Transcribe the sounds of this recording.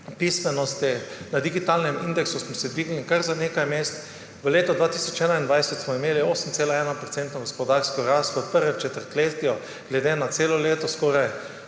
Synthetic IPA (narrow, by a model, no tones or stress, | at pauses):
pismɛnɔst̪inad̪iɡit̪aːlnɛmind̪ɛksusmɔsɛd̪ʋiːɡnlikaɾzaneːkajmeːst̪ | ʋəleːt̪ɔd̪ʋaːt̪iːsɔt͡ʃɛːnaind̪ʋajsɛt̪smɔimeːlioːsəmt̪seːlaɛːnɔpɾɔt̪sɛnt̪nɔɡɔspɔd̪aɾsk̪kɔɾast̪ʋəpəɾʋɛmt͡ʃɛt̪əɾt̪leːt̪jɔ | ɡlɛd̪eːnat̪seːlɔleːt̪ɔskɔːɾaj